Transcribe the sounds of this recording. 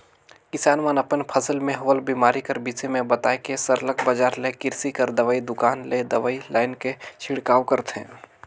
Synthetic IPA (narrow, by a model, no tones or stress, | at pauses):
kɪsaːnmanɐpənpʰəsəlmẽɦɐʋəlbiːmaːɾikəɾbiːsemẽbɐt̪aːekesəɾləkbəd͡ʒaːɾlekɪɾsikəɾd̪ɐʋaːid̪ʊkaːnled̪ɐʋaːilaːɪnket͡ʃʰɪɽkaːwkəɾt̪ɦɛ̰̃ː